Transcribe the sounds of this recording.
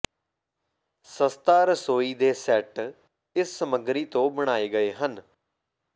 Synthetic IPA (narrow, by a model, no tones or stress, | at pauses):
səst̪aːɾəsoːiːd̪eːsɛʈ | ɪssəməɡɾiːt̪õːbəɽ̃aːeːɡəeːɦən